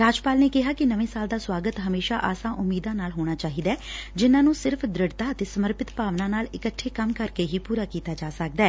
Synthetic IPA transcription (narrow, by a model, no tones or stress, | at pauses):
ɾaːd͡ʒpaːlneːkɪɦaːkɪnəʋẽːsaːld̪aːswaːɡət̪ɦəmeːʃa̰ːʔa̰ːsãːʔʊmːiːd̪ãːnaːlɦoːɽ̃aːt͡ʃaːɦiːd̪aɛːd͡ʒɪnãːnũːsɪɾpʰd̪ɾɪɽt̪aːət̪eːsəməɾpɪt̪paːʋnãːnaːlɪkəʈʰːeːkəmkəɾkeːɦiːpuːɾaːkiːt̪aːd͡ʒaːsək̚d̪ɛː